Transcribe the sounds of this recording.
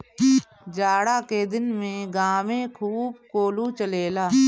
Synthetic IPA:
d͡ʒaːɽaked̪ɪnmẽɡaːmẽkʰuːb̚koːlut͡ʃəleːlaː

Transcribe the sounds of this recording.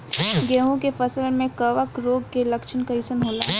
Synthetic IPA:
ɡeːɦõkefɐsəlmẽkɐʋəkɾoːɡ̚kelɐkʃʰənkaɪsənɦoːlaː

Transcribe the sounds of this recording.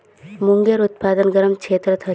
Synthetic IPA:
muŋɡeɾut̪̚paːd̪ənɡɐɾəmkt͡ʃʰeːt̪ɾət̪ʰɐ

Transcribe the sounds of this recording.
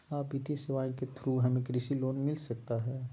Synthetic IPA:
aːbit̪iseʋaːĩket̪ʰɾuɦɐmẽkɾisiloːnmɪlsɐk̚t̪aɦɛː

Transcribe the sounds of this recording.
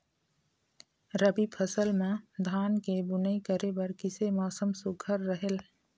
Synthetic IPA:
ɾəbipʰəsəlmẽd̪ʱaːnkebʊnəikəɾebɐɾkɪsemaːsəmsʊɡʱəɾːəɦel

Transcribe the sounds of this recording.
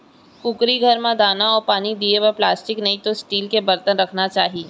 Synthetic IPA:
kʊkɾiɡʱɐɾmãd̪aːnaɔːɾpaːnid̪ieʋəɾplaːsʈɪknɐɦĩt̪osʈiːlkebɐɾt̪ənɾɐkʰnat͡ʃaːɦi

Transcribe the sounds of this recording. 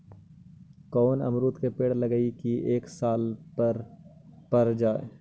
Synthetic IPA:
kɔːnɐ̰mɾuːt̪kepeːɽlɐɡəikiʔeːksaːlɾ | pɐɾd͡ʒaːe

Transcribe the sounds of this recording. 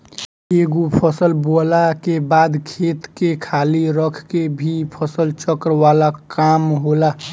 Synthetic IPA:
eɡopʰəsəlbolakebaːd̪kʰet̪kekʰaliɾəkʰkebʱipʰəsəlt͡ʃəkɾwalakamɦola

